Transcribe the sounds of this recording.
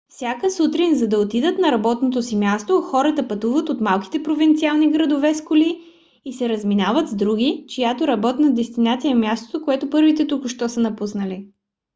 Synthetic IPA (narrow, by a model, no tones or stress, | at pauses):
fsʲjakəsut̪ɾinzɐd̪ɐot̪id̪ət̪nɐɾɐbɔt̪not̪osimʲjast̪oxɔɾət̪əpɐt̪uvət̪ot̪malˠki̥t̪ɛpɾovint̪sialˠniɡɾɐd̪ovɛskʊliː | sɛɾɐzminavət̪zd̪ɾuɡit͡ʃijat̪oɾɐbɔt̪nəd̪ɛst̪inat̪sijəmjast̪o̥t̪okoɛt̪ʊpɤɾvit̪ɛt̪ukʊʃt̪ɔsənɐpusnəli